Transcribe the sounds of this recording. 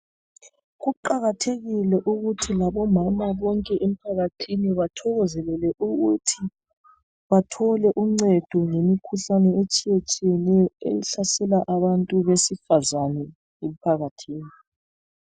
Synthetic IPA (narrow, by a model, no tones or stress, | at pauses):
ɣuǃaɣatʰeɣilɛʔuɣutʰilaβɔmamaβɔŋkʼɛʔem̩pʰaɣatʰiniβatʰɔɣɔzɛlɛlɛʔuɣutʰi | βatʰɔlɛʔuŋ͡ǀɛd̥ʱɔŋemikʰuɬanɛet͡ʃʼijet͡ʃʼijɛnɛjɔḛliɬasɛlaʔaβantʼuβesifazanɛ | em̩pʰaɣatʰiːni